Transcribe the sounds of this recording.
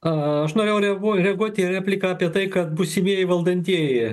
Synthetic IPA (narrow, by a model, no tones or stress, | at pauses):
ɐɐʃnoːɾʲeːjʊɾʲɛɡuɔɾʲɛɐɡuɔt̪ʲɪæpʲlʲɪkɐɑːpʲiɛt̪ɐɪkɐt̪̚busʲɪmʲiɛjɪʋɐlˠd̪ɐnʲt̪ʲiɛjɪ